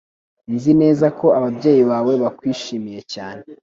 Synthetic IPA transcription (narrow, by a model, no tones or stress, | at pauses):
nzine̞ːzakʰo̞aβabɟe̞ːjiβaːwe̞βakwiːʃiːmije̞caːne